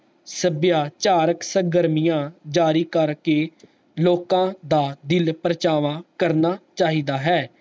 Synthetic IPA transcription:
səbjaːt͡ʃaːɾəksəɡəɾmijãːd͡ʒaːɾiːkəɾkeː | loːkãːd̪aːd̪ɪlpɾət͡ʃaːʋãːkəɾnaːt͡ʃaːɦiːd̪aːɦɛː

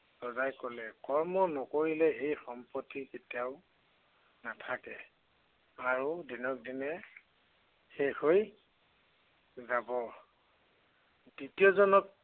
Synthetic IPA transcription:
sɔzajkɔlɛkɔɹmɔnɔkoɹilɛejxɔmpɔtːiketijaʊ | natʰakɛ | aɹudinɔk̚dinɛ | xexoj | zabɔ | ditijɔzɔnɔk̚

